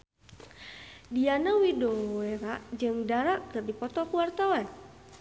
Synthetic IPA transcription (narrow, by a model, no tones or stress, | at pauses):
dianawidoweɾaʔd͡ʒɨŋdaɾaʔkɨrdipɔt̪ɔkuwart̪awan